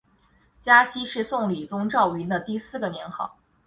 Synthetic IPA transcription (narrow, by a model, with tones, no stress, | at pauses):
t͡ɕja˥ɕi˥ʂɻ̩˥˧sʊ˥˩ŋli˨˩t͡sʊ˥ŋʈ͡ʂɑ˥˩ʊy˧˥nd̪ə˧t̪i˥˧sɹ̩˥˩ɡə˩mi˧˥ŋxɑ̰˨˩˦